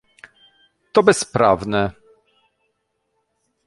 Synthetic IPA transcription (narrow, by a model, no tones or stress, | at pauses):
t̪ɔbɛspɾa̰vnɛ